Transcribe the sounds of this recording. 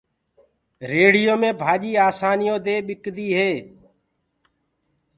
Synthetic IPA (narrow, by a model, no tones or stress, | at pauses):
ɾeːɽɪjoːmẽːbʱaːʄiːaːsaːnɪjõːd̪eːɓɪkd̪iːɦeː